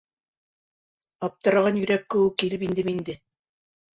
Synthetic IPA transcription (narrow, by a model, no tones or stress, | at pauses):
ɑp̚t̪ɤ̆ɾɑʁɑnjɵ̆ɾækːɘ̆wɘkːilɘpind̪ɘmind̪ɘ